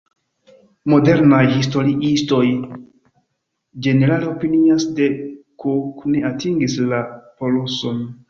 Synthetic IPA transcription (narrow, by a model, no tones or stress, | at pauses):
mo̞de̞ɾnajhisto̞ɾiʔisto̞j | d͡ʒe̞ne̞ɾaleo̞piniasdekokneatʰiŋɡislapo̞loso̞n